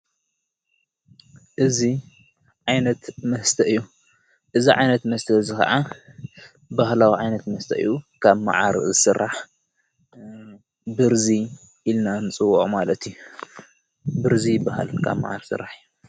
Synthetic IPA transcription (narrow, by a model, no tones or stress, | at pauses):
ʔɨzi | ʕajnɐt̪mɐst̪ʰɐʔɨjːu | ʔɨziʕa̰jnɐt̪mɐst̪ʰɐzɨxɐ̰ʕa | bahlawiʕajnɐt̪mɐst̪ʰɐʔɨ̰jːukʰaβma̰ʕa̰ɾzɨsɨrːaħ | bɨɾzi | ʔilnanɨt͡sʼɨwːɔʔmalɐt̪ʰju | bɨɾzijɪbːaha̰lkʰa̰βma̰ʕa̰ɾsɨ̰rːaħɨju